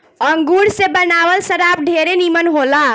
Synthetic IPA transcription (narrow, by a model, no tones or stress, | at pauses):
əŋɡuɽsebənaʋəlsəɾap̚ɖʱeɾenimənɦola